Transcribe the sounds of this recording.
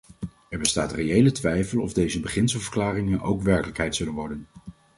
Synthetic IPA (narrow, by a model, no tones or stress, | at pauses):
ɛɹbəstaːtrejejlətʋɛjfəlˠɔ̰vdejzəbəχɪnsəlˠvəɹklaːrɪŋəno̰wkʋɛɹkələkɦɛjtsɵlənʋɔɹdən